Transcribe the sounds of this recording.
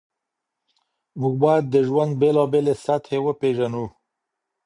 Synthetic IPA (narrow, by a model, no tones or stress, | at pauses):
muɡ̚bɑjad̪̚ːəʒwand̪̚belɑbelesat̪ʰhewəpeʒanu